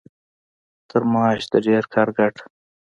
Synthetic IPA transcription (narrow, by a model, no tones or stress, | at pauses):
t̪əɾmɑːʃd̪aɖeːɾkʰaɾɡaʈ